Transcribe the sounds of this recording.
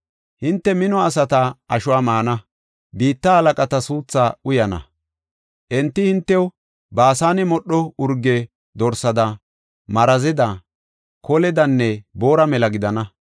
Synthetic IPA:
hɪnt̪ːɛmɪnɔɐs̬ɐt̪ɐʔɐʃʊwaːmaːnɐ | biːt̪ːɐhɐlɐkʼɐt̪ɐsuːt͡sːaːʊjɐnɐ̰ | ʔɛnt̪ːɪhɪnt̪ːɛwɔ | baːsaːnɪmɔɗːɔʊɾɡːɛ | d̪ɔɾsɐd̪ɐ | mɐɾɐzɛd̪ɐ | kɔlɛd̪ɐnːɛboːɾɐmɛlɐɡɪd̪ɐnɐ

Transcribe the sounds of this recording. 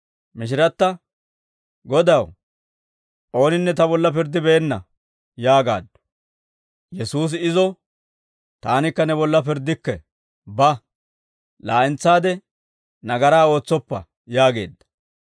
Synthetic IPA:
mɪʃ̬ɪɾɐt̪ːɐ | ɡɔd̪ɐw | ʔo̞ːnɪnːɛt̪ɐbɔlːɐpɪɾd̪ːɪbɛːnːɐ | jaːɡa̰ːd̪ːɔ̥ | jɛsuːs̬ɪzɔ | t̪aːnɪkːɐnɛbɔlːɐpɪɾd̪ːɪkːɛ | bɐ | laːʔɪnt͡sːaːd̪ɛ | nɐɡɐɾaːo̞ːt͡sːɔpːɐ̰ | jaːɡe̞̰ːd̪ːɐ̥

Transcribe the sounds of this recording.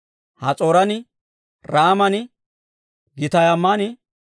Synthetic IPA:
hɐt͡sʼoːɾɐnɪ | ɾaːmɐnɪ | ɡɪt̪ɐjɐmːanɪ

